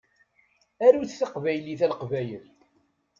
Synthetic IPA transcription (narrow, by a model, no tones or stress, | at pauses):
æɾuθθaqvæjliθælqvæjəl